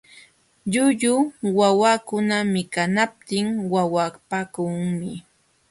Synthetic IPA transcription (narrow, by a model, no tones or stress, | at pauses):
ʎʊʎʊwawakʊnamɪkanap̚t̪ɪŋwawapakʊŋmɪ